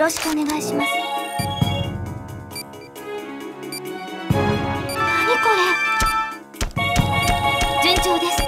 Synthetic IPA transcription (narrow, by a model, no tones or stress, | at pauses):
ɾo̞ɕi̥kɯone̞ɡaiɕimasɨ̥ | amekoɾe | d͡ʑẽɲd͡ʑoːd̪esɨ̥